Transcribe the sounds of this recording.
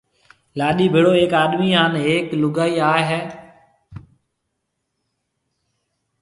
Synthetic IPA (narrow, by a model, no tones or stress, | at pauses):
laːɗiːbʱɪɽoːeːkaːɗmiːaːneːklʊɠaːiːaːɦɛː